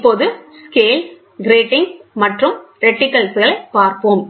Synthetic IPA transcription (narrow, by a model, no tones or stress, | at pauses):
pːoːðɯskeːl | ɡɪɾeːʈːɪŋmɐʈrɯmɾɛʈːɪkːɐlsɐɭɐɪpaːɾpoːm